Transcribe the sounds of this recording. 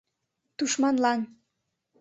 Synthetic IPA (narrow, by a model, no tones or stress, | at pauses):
t̪uʃmɑnlɑn